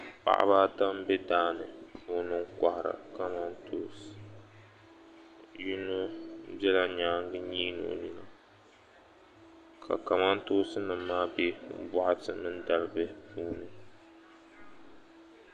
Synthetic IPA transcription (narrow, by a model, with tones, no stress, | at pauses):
pa̰˦˨ʔa̰˦baː˦da˦m˦bɛ˦daː˦nɨ˨o˦nɨ˦ŋkʷa˨ha˨ɾa̰˨ka˦ma˦ntʰoː˦s | ju˦no˦bɛ˦la˦ɲaː˦ŋ˦ɡɨ˦ɲiː˦no̰˨ni˦na˨ | kʰa̰˨ka˨ma˦ntoː˦sɨ˦nɨ˨mːaː˦be˦bɔ˦ʔa˦tɨ˦nɨ˦n˦da˨lɨ˦bɨ˦puː˦nɨ˨